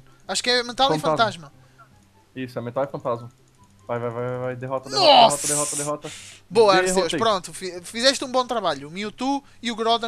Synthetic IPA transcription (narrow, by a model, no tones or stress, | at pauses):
aʃu̥kɛmẽnt̪alˠĩfɐ̃t̪aʒmɐ | isʊɛmẽnt̪alˠifɐ̃nt̪azmɐ | vajvajvajvajvajd̪eɦɔt̪ɐnɔsɔɐd̪eɦɔt̪ɐd̪eɦɔt̪ɐboɐsewʃpɾõnt̪ufifizɛʃt̪ũbõt̪ɾɐβaʎʊmiut̪u | iuɣɾɔðɐ